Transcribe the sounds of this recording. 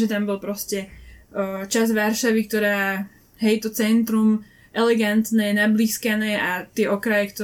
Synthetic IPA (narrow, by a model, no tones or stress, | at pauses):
ʒɛt̪ambɔlpɾɔscɛ | t͡ʃazʋaɾʃaʋikt̪ɔɾaː | ɦɛjt̪ɔt͡sɛnt̪ɾum | ʔɛlɛɡant̪nɛːnabliːskanɛːʔat̪ɪɛʔɔkɾajɛkt̪ɔ